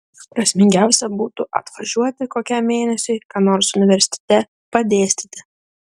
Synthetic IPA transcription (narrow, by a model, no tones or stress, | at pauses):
pɾɐsʲmʲɪŋʲɡʲæˑʊsʲɛbuːt̪ʊʔɐ̰t̪ʋɐʒʲuɔt̪ʲɪkoːkʲɛmːʲeːnʲɛsʲʊɪkɑːnoːɾsʊnʲɪʋʲɛɾʲsʲɪ̥t̪ʲɛ̥t̪ʲɛ | pɐd̪ʲeːsʲt̪ʲit̪ʲɪ